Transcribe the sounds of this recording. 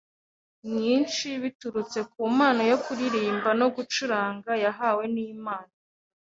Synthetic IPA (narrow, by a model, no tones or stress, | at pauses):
mɲiːnʃiβituɾut͡se̞k̚uːmaːnojokuɾiɾiːmbano̞ɡut͡ʃuɾaːŋɡajaɦaːwe̞nimaːna